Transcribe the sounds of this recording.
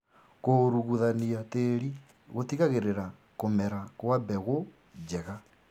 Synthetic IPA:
koɾuɣuðaniateɾi | ɣotiɣaɣeɾeɾa | komɛɾakwabɛɣo | d͡ʒɛɣa

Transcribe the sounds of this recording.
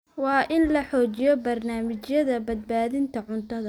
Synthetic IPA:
wɑːʔɪnlɐħɔːt͡ʃɪjɔbɐrnaːmɪt͡ʃjɐðɐbɐd̪̚baːðɪnt̪ʰɐʕʊnt̪ʰɐðɐ

